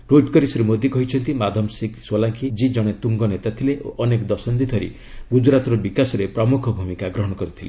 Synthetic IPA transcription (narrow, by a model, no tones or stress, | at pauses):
ɾoʈkɔɾisɾimod̪jikɔɦit͡ʃʰɔnt̪imad̪ʱɔmsikswɔlaŋkid͡ʒid͡ʒɔɽ̃et̪uŋɡɔnet̪at̪ʰileʔo̰ʔɔnekɔd̪ɔsɔnd̪it̪ʰɔɾḭ | ɡud͡ʒɾat̪ɔɾɔbikasɔɾepɾɔmukʰɔbʱumikaɡɾɔɦɔɽ̃ɔkɔɾit̪ʰilḛ